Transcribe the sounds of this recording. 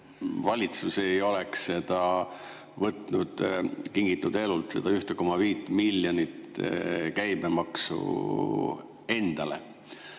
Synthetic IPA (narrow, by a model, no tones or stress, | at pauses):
vɑlʲit̪suse̞jo̞leksse̞d̪̥ɑ | vɤt̪ˑnud̪̥kiŋɡit̪ːˑud̪e̞lult̪se̞d̪̥ɑyht̪eko̞mːɑviːt̪ːˑmilːjonit̪ːkæjmemɑksṵ | e̞nd̪̥ɑle̞̰